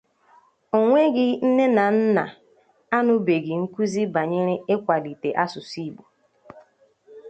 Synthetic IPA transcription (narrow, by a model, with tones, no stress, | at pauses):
o˨ŋʷe˦ɡɪ˦n̩˦ne˦na˨n̩˦na̰˨ | a˦nʊ˦be˨ɡɪ˨ŋ̩˦ku˦zi˦ba˨ɲe˦ɾe˦e˦kʷa˨li˨te˨ʔa˦sʊ˨si˦bu˨